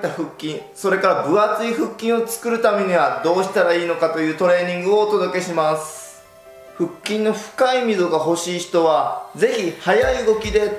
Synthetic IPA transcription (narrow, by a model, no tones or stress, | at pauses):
t̪aɸɯ̟kʲːĩɰ̃so̞ɾe̞kaɾabɯ̟at͡sɨiɸɯ̟kʲːĩɰ̃o̞t͡sɨ̥kɯ̟ɾɯ̟t̪ame̞ɲ̟iβad̪o̞ːɕi̥t̪aɾaiːno̞kat̪o̞jɯ̟ːt̪o̞ɾe̞ːɲ̟ĩŋɡɯ̟o̞ːt̪o̞d̪o̞ke̞ɕimasɨ̥ | ɸɯ̟kʲːĩnːo̞ɸɯ̟̥kaimʲid̪o̞ɡaɦo̞ɕiːçi̥t̪o̞βad͡ze̞çihajaiɯɡo̞kʲid̪e̞